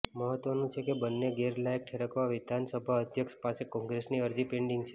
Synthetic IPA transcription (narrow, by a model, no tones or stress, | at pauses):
məɦət̪ʋənũt͡ʃʰekebənːeɡeɾlajk̚ʈʰeɾəkʋaʋɪd̪ʱansəbʱaəd̪ʱjəkʃpasekɔ̃ŋɡɾesniəɾd͡ʒipẽɳɖiŋɡt͡ʃʰe̥